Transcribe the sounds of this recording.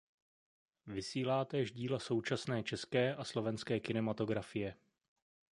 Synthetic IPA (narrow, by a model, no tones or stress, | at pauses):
vɪsiːlaːt̪ɛːʒɟiːlaso̞wt͡ʃasnɛːt͡ʃɛskɛːʔaslo̞vɛnskɛːkɪnɛmat̪o̞ɡɾafɪjɛ